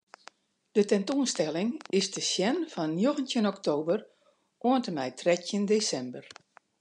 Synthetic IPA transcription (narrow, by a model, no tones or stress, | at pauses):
d̥ətɛntoənstɛlɪŋɪsdəsjɛnfɔnnjoɣəntjənɔktoːbər | ʔoəntəmɛjtrɛtjəndeːsɛmbər